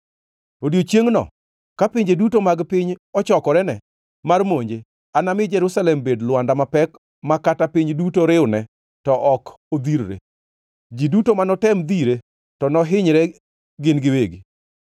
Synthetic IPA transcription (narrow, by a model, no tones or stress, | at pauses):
odjot͡ʃjeŋnɔ̰ | kapɪɲd͡ʒedutomaɡpɪɲɔt͡ʃɔkɔɾɛnɛ | marmoɲd͡ʒe | anamɪd͡ʒɛɾusalɛmbedlʊwandamapɛk | makatapɪɲdutoɾɪʊnɛ | tɔʔɔk | od̪iɾɾḛ | d͡ʒidutomanɔtɛmd̪iɾe | tɔnɔɦɪɲɾɛ | ɡɪnɡɪweɡi